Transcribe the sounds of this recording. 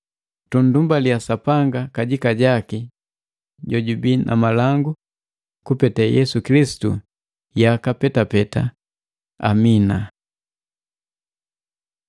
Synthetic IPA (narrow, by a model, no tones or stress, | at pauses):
tundumbaliasapaŋɡakaɟikaɟaki | ɟɔɟubinʔa̰malaŋɡu | kupɛtɛjɛsukilisi̥tu | jakapɛtapɛta̰ | a̰mina